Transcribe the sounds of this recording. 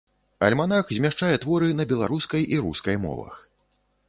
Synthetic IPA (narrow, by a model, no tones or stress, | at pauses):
ɐ̰lʲmanaxzʲmʲaʂt͡ʂajɛt̪vɔɾɨnɐbʲɛlˠaɾuskɐjʔiɾṵskɐjmɔ̰vɐ̰x